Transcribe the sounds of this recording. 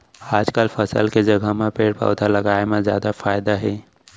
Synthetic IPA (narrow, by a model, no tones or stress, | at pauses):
aːd͡ʒkəlfəsə̰lked͡ʒɐɡʱamẽpeːɽpa̰ːd̪alɐɡaːemẽzjaːd̪afaːjd̪aɦɛː